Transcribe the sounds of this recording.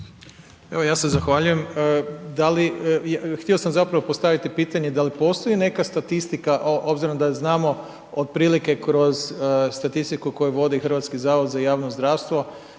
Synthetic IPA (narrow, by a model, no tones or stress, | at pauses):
eʋo̞jaːse̞zaxʋaʎuje̞məd̪alijxt̪io̞samzapɾaʋopost̪aʋit̪ipiːt̪aɲed̪alipo̞st̪o̞jine̞kast̪at̪ist̪ikaʔo̞bziɾond̪aznaːmo̞ | od̪̚pɾiːlike̞kɾo̞zst̪at̪ist̪ikuko̞juʋo̞d̪ixr̩ʋat̪skizaːʋod̪zajaːʋnozd̪ɾaːʋst̪ʋo̞